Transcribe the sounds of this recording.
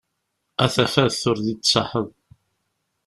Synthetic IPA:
æθæfæðθʊɾðit̪ːsˤɑħəð

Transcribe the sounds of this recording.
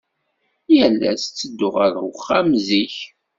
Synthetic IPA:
jælːæ̰st͡sːəd̪ːʊʁəɾəχːæmziç

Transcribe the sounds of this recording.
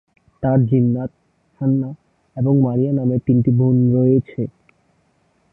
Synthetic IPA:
t̪aɾd͡ʑinːat̪̚ | ʃʰanːa | eboŋmaɾianamepint̪ibʱunɾoet͡ɕʰe

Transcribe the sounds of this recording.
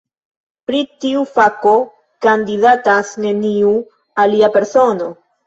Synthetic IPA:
pɾitiufako̞ | kandidatasne̞niu | aliape̞ɾso̞no̞

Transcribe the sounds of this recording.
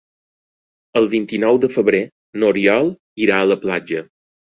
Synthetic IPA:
əlˠβint̪inɔwd̪əfəβɾe | noɾiɔlˠ | iɾaələplad͡ʒə

